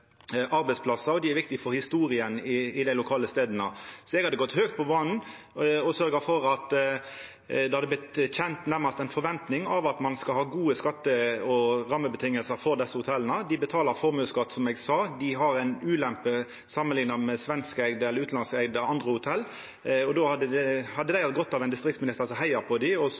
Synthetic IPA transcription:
ɑɾbæɪtsplɑsɑɾɔd̪ɪæɾʋɪkt̪ɪfɔɾhɪst̪uːɾɪənɪɪd̪æɪlʊkʰɑːləst̪eːd̪ənəsɔɛɡhɑd̪əɡɔt̪ːhøːk̚t̪̚pʰɔbɑnn̩ | ɔsœɾɡəfɔɾɑt̪ | d̪ɛɑd̪əblɪt̪çɛnt̪næʁmɑst̪ɛɪnfɔɾʋɛnt̪nɪŋɑʋɑt̪mɑnskɑlhɑːɡuːəskɑt̪ːəɔɾɑmːəbət̪ʰɪŋːəlsəɾfɔɾd̪ɛsːəhʊt̪ʰɛlənəd̪ɪbət̪ʰɑːləɾfɔɾmøːskɑt̪ːsɔmɛɡsɑd̪ɪɦɑɾæɪnʉːlɛmpə | sɑmːənlɪŋnɑmɛsʋɛnskæɪɡd̪əɛlːɾʉːt̪ɑnskæɡd̪əɑnd̪ʁəhʊt̪ʰɛlː | ɔd̪ohɑd̪əɛhɑd̪ːəd̪æɪhɑt̪ɡɔt̪ːɑʋɛɪnd̪ɪst̪ʁɪk̚t̪smɪnɪst̪əɑsɔɦæɪɑɾpʰɔd̪ɪɔ

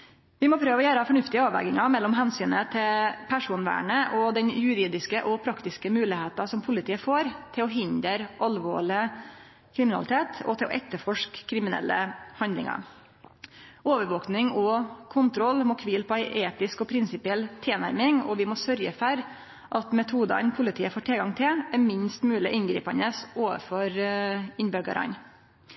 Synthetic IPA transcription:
ʋɪmɔpʰɾøːʋɔjæːɾəfɔɳʉft̪ɪəɑːʋɛ̰ɡɪŋɑmɛlːɔmɦɛnsyːnət̪ʰɪlpʰæʂuːnʋæ̰ːɳəʔɔd̪ɛnjʉɾiːd̪ɪskəʔɔpʰɾɑkt̪ɪskəmʉːlɪheːt̪ɑsɔmpʰʊlɪt̪iːəfoːɾt̪ʰɪlɔɦɪnd̪əɾʔɑlʋo̰ːɭɪ | kʰɾɪmɪnɑ̰ɪt̪ʰeːt̪ʰɔ̰t̪ʰɪlɔ̰ʔɛt̪ːəɾfɔʂkʰːɾɪmɪnɛ̰lːə̰hɑnd̪lɪ̰ŋɑ̰ɾ | oːʋəɾʋoːknɪŋɔkʰʊnt̪ʰɾɔlːmoːkʰʋiːlpʰɔæɪʔeːt̪ɪskɔpʰɾɪnsɪpɪɛlt̪ʰeːnæɾmɪŋɔ̰ʋɪmɔsœɾjəfɔɾ | ʔɑt̪mɛt̪ʰuːd̪ɑ̰npʰʊlɪt̪ʰiːəfoːʈʰɪlɡɑŋt̪ʰɪlæɾmɪnst̪mʉːlɪ̰ʔɪnɡɾḭːpɑnəsoːʋə̰ɾfɔɾɪnbøɡɑ̰ɾɑ̰n

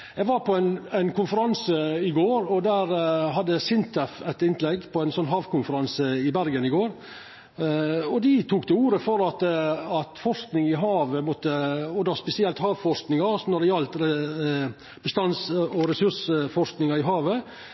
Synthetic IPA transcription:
jɛɡʋɑɾpɔɛɪnæɪnkʊnfəɾɑnsəɪɡoːɾɔd̪æːɾɦɑd̪ːəsɪnt̪ʰæfɛt̪ɪnlɛɡpʰɔæɛɪnsɔnːɦɑːʋkʰʊnfəɾɑnsəɪbæɾɡənɪɡoːɾ | ɔd̪ɪt̪ʰuːkd̪ɛuːɾəfɔɾɑt̪ɑt̪fɔʂknɪŋɪɦɑːʋəmɔt̪ːəɔd̪ʋɑspɛsɪɛlt̪hɑːʋfɔʂknɪŋɑsɔnɔɾd̪ɛjɑlt̪ɾɛ | b̥əst̪ɑnsɔɾɛsʉʂfɔʂknɪŋɑɪɦɑːʋə

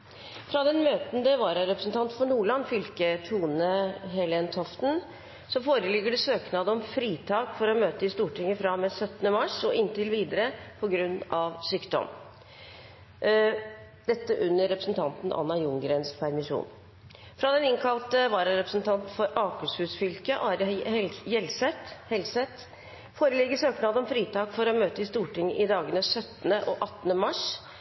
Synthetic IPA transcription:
fɾɑd̪ɛnmøːt̪nd̪əʋɑːɾɑɾɛpɾəsn̩t̪ʰɑnt̪fɔɳuːɭɑnfʏlkət̪ʰuːnəɦɛlɛːnt̪ʰɔft̪n̩ | sɔfoːɾəlɪɡːəɖɛsøːknɑːd̪əɔmfɾiːt̪ʰɑːkfɔɾɔmøːt̪əɪst̪uːʈɪŋːəfɾɑmɛsœt̪ːnəmɑʂɔʔɪnt̪ɪlʋiːd̪əɾəpʰɔɡɾʉnːʔɑʋsyːkd̪ɔ̰m | d̪̥ɛt̪ːəʔʉnːəɾɛpɾəsn̩t̪ʰɑnt̪nʔɑ̰nːɑjʊŋɡɾeːnspʰæɾmɪʂṵːn | fɾɑd̪ɛnɪŋkʰɑlt̪əʋɑːɾɑɾɛpɾəsnt̪ʰɑnt̪fɔɾɑːkʉshʉːsfʏlkəʔɑːɾjɛlsɛt̪hɛlsɛt̪ | foːɾəlɪɡəʂøːknɑːd̪ɔmfɾiːt̪ɑːkfɔɾɔmøːt̪əɪst̪uːʈɪŋəʔɪd̪ɑːɡənəsœt̪ːənəʔɔʔɑt̪ːnəmɑʂ

